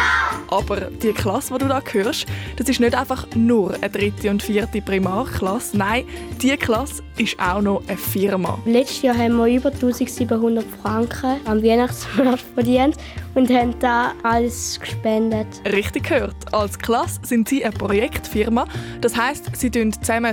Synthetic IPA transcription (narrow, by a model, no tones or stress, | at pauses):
ʔɑb̥əʁd̥iəkχlɑsvoduːdɑːkʰhøːʁʃd̥ɑsɪʃnødaɪfɑχnʊʁə̰d̥ʁɪtiʊntfiːɐtipʁimɑːʁkχlɑsnaɪd̥iəkχlɑs | ɪʃʔa̰ʊnɔʔəfɪʁmɑ̰lɛt͡ʃtjɑːɦɛnmiyːbətuːsiɡsiːbəɦundətfʁaŋkχəamviənɑχsmɛɔɐtfədiənt | ʊndhɛnd̥aːaləskʃpɛndətʁɪχtik̚kʰhøːʁtʔɑlskχlɑsːɪntsiːʔəpʁojɛkχtfɪʁmɑd̥ɑshaɪstsiːdøntt͡sɛmə